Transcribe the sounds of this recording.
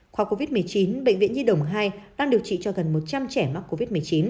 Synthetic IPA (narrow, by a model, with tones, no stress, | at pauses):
xwaː˨˩ko˧vi˦˥t̚mɨ˨˩əjt͡ɕi˨˦nɓə̰˧˨ŋvḭ˧ənɲi˧ɗə˧˩wŋ͡mɦaː˧jɗaː˧ŋɗɨ˨˩ək̚t͡ɕḭ˧˨t͡ɕɔ˧ɣə˨˩nmo˨˩t̚t͡ɕa˧mt͡ɕɛ˧˩ma˦˥k̚ko˧vi˦˥t̚mɨ˨˩əjt͡ɕi˨˦n